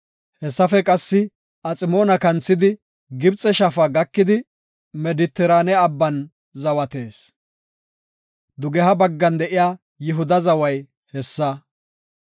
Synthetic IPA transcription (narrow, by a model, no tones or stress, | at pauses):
hɛsːɐfɛkʼɐsːɪ | ʔɐt͡sʼɪmoːnɐkɐnt͡sːɪd̪ɪ | ɡɪbt͡sʼɛʃɐfɐɡɐkːɪd̪ɪ | mɛd̪ɪt̪ːɛɾaːnɛɐbːɐn | zɐwɐt̪e̞ːs | d̪ʊɡɛɦɐbɐɡːɐnd̪ɛʔɪjaː | jɪɦʊd̪ɐzɐwɐj | hɛsːɐ